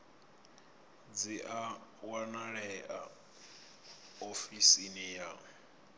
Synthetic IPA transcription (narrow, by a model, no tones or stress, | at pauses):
d͡ziʔawanaɺɛʔa̰ | ofisinija